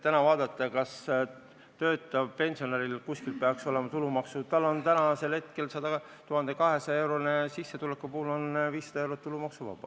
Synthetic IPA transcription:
t̪ænɑvɑːd̪̥ɑt̪ˑːɑkɑs | t̪ø̞ːt̪ːˑɑpe̞nʲsio̞neɾilkuskilpe̞ɑkso̞le̞mɑt̪ulumɑksut̪ɑlːo̞nt̪ænɑse̞lhet̪ke̞lsɑd̪ɑ | t̪uɦɑnd̪e̞kɑɦe̞sɑe̞wɾonesisːet̪ulekːupuhulo̞nviːsːɑd̪̥ɑe̞wɾot̪ːulumɑksuvɑ̰b̥ɑ̰

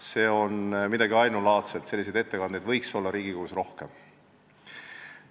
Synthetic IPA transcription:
se̞ːo̞nmid̪̥ɑɡiɑjnulɑːt̪se̞lt̪se̞lːis̬ed̪e̞t̪ːekɑnd̪ed̪vɤ̞jkso̞lːɑɾiːɡ̥ikoːusro̞hkem

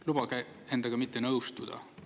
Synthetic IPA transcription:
lub̥ɑkæ | e̞nd̪̥ɑɡ̥ɑmit̪ˑːenɤwst̪ud̪̥ɑ̰

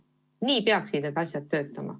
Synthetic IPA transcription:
niːpeɑksit̪net̪ɑsʲjɑt̪̚ːø̞ːt̪ːˑɑmɑ̰

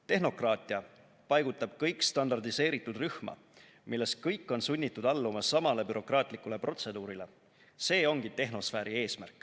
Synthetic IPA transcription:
t̪e̞ɦno̞krɑːt̪ʲˑiɑ | pɑjɡut̪ːˑɑb̥̚kɤjkˑst̪ɑnd̪ɑrd̪ise̞ːɾit̪ːˑud̪̥ryhmɑ̰ | milːe̞st̪̚kɤjkːˑo̞nsunʲːit̪ːˑud̪ɑlːumɑsːɑmɑle̞byɾo̞krɑːt̪ˑlikule̞pro̞t̪se̞d̪̥uːɾile̞ | se̞ːo̞ŋɡ̥it̪e̞ɦno̞sfæːɾie̞ːsmæ̰rkːˑ

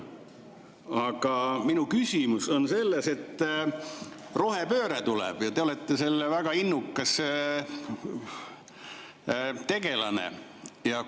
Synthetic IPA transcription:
ɑɡ̥ɑminukysʲimuso̞nse̞lːese̞t̪ː | ro̞ɦe̞pø̞ːɾet̪ulɛ̰b̥jɑt̪eolɛt̪ːese̞lːevæɡ̥ɑinːukːˑɑs | t̪e̞ɡ̥e̞lɑnḛjɑ

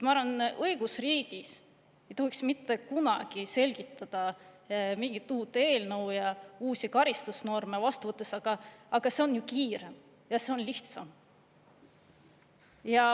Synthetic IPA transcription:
et̪mɑɑɾvɑnɤiɡ̥usriːɡ̥is | e̞jt̪o̞hiksmit̪ːˑe̞kunɑ̰ɡ̥ise̞lʲɡ̥it̪ːˑɑd̪̥ɑ | miŋɡ̥it̪ːuːt̪ːˑee̞ːlnɤwjɑuːsikɑɾist̪usno̞rmevɑst̪uvɤt̪ːˑe̞sɑɡ̥ɑːɡ̥ɑse̞o̞njukiːɾe̞m | jɑse̞o̞nliht̪sɑm | jɑ

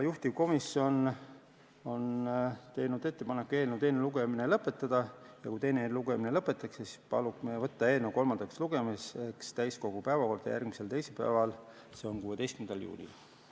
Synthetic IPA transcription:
juht̪ivko̞misjo̞n | o̞nt̪e̞jnud̪̥e̞t̪ːe̞pɑnekːue̞ːlnewt̪e̞neluɡ̥e̞minelɤpːˑe̞t̪ːˑɑd̪̥ɑjɑ̰kujt̪e̞jneluɡe̞mine̞lɤpːˑe̞t̪ːˑɑksesi̥pɑ̰lukmevɤt̪ːɑe̞ːnewko̞lmɑnd̪̥ɑksluɡ̥e̞mese̞kst̪æjsko̞ɡ̥upæevɑko̞rd̪̥ɑ̰jærɡ̥mise̞lt̪e̞jselpæ̰evɑl | se̞o̞nkuːe̞d̪e̞jst̪kymnd̪ɑljṵːlʲḭl

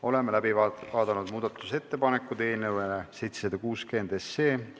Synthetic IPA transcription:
o̞le̞melæbivɑːd̪̥ɑnud̪muːd̪̥ɑt̪ːˑu̥se̞t̪ːe̞pɑnekːˑud̪eːlnewelese̞jt̪sed̪ɑkuːske̞nd̪̥e̞seː

